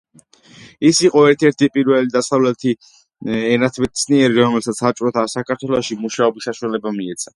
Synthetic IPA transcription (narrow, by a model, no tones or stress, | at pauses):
isiqʼɔɛɾt̪ʰɛɾt̪ʰipʼiɾvɛlid̪asavlɛt̪ʰi | ɛnat̪ʰbɛt̪sʰniɛɾiɾɔmɛlsat̪sʰat͡ʃʼɾɔt̪ʰasakʰaɾt̪ʰwɛlˠɔʃimuʃaɔbisaʃualɛbamiɛt̪sʰḁ